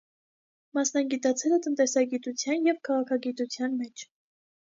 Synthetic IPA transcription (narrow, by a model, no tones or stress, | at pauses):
mɑsnɑɡit̪ɑt͡sʰɛlət̪ənt̪ɛsɑɡit̪ut͡sʰjɑnjɛvkʰɑʁɑkʰɑɡit̪ut͡sʰjɑnmɛt͡ʃʰ